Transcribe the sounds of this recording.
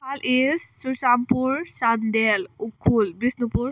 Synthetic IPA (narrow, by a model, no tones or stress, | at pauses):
alʔizsuʃampuɾsad̪d̪elukʰːulbisnupuɾ